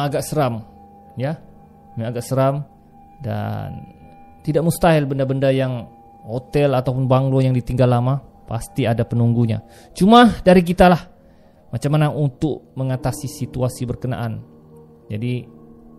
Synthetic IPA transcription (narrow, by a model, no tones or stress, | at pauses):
aɡaʔsəɾam | ja | maaɡaʔsəɾam | da̰n | t̪idaʔmust̪aɦɪlbəndabəndajaŋ | hot̪ɛlat̪awpʊnbaŋlojaŋdit̪iŋɡalːama | pa̰st̪iadapənuŋɡuɲa̰ | t͡ʃumadaɾik̬it̪alah | mat͡ʃamːanaʔunt̪ʊkməŋat̪asisit̪uasibərkəna̰ʔan | d͡ʒadi